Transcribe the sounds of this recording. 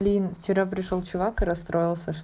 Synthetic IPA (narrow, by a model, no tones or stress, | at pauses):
lʲinft͡ɕɪɾap̬ɾʲɪʂolˠt͡ɕʊvakɨɾɐst̪ɾo̞jɪlˠsʲəʂ